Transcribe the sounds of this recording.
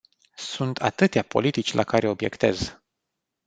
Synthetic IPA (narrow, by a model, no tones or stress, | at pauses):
sunt̪ʰat̪ɨt̪eapo̞̰lit̪it͡ʃʲlʔa̰kaɾʔe̞o̞bje̞̰kt̪e̞̰z